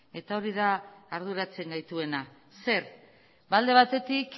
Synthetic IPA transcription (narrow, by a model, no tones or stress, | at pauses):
e̞t̪ao̞ɾiðaːɾðuɾat͡se̞ŋɡajt̪ue̞na | se̞ɾ | bald̪e̞βat̪e̞t̪ik